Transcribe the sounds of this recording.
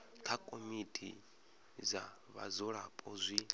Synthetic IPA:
kʰakʼomitʼʰḭ | za | βa̰zɔɺapʼɔzʷi

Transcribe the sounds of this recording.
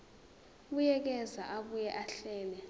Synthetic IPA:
ɓujɛk̬ɛzaʔaɓujɛʔaɬɛːlɛ

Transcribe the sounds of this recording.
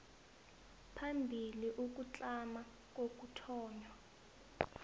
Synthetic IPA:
pʰambʱiliʔuk̬ut͡ɬʼama | k̬ʼok̬utʰɔːɲwa

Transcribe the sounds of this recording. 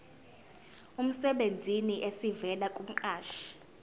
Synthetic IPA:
um̩sɛɓend͡zʱiniʔesivɛlakʼum̩ǃaːʃi̥

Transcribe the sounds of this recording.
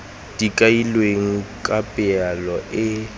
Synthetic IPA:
d̥ikʼailweŋ̩kʼapʼɪalɔʔɪ

